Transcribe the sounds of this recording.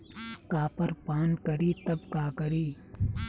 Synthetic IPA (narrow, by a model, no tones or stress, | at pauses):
kaːpɐɾpaːnkɐɾiːt̪ɐbkaːkɐɾiː